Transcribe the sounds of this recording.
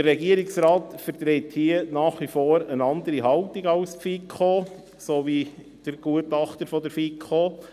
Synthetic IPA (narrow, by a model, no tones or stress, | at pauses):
dəɾːɛɡiəɾɪksɾɑːtfəɾt̪ɾethiənɑːχʋifoːɾənɑnd̪əɾiɦɑltɪɡɑʊspfikʰχoː | soːvi | d̥əɾɡ̥uətɑχtəɾfɔdəɾfikʰoː